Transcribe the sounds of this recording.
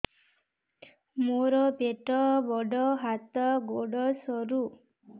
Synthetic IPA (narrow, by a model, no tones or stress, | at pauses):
moɾɔpeʈɔbɔɖɔɦat̪ɔɡoɖɔsɔɾu